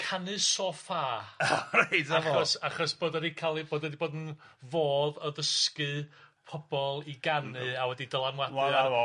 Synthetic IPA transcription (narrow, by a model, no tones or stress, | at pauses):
kʰanɨsɔfaːrajtaɔsaχɔsb̥oːdaɾikʰalˠiboːdɛdiboːdn̩ | voːðəðəskɨ | pʰɔb̥ɔlˠiɡanɨawɛdidəlˠanwaw